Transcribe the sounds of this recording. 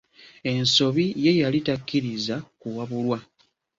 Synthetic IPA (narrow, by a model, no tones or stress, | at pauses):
e̞nso̞βije̞jalitakːiɾizakuwaβulwa